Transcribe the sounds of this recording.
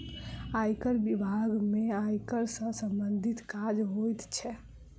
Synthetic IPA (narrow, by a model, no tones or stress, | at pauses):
ajkəɾbibʱaɡmeajkəɾsə̃səmbənd̪ʱit̪kad͡ʒɦojt̪t͡ʃʰɛ